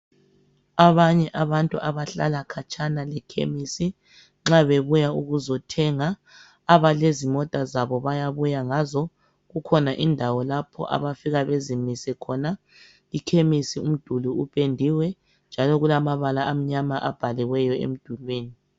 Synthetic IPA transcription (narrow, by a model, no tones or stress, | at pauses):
aβaɲɛʔaβantʼuʔaβaɬalakʰat͡ʃʰʼanalɛkʰḛmisi | ŋ͡ǁaβeβujauɣuzɔtʰɛŋaː | βalezimɔtʼazaβɔβajaβujaŋazɔ | ɣukʰɔnaʔindʱawɔlapʰɔ̰ʔa̰βafiɣaβezimisɛkʰɔna | likʰemisium̩d̥ʱuluupʼendʱiwɛ | nd͡ʒʱalɔɣulamaβalaam̩ɲamaʔab̥ʱaliwɛjɔḛm̩d̥ʱulweːni